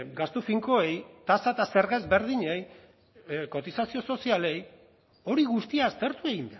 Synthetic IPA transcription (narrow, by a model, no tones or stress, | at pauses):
ɡast̪ufiŋko̞ejt̪asaet̪ase̞ɾɣezbe̞ɾð̞iɲej | ko̞t̪isasio̞so̞siale̞j | o̞ɾiɣust̪iaːst̪e̞ɾt̪ue̞ɣind̪a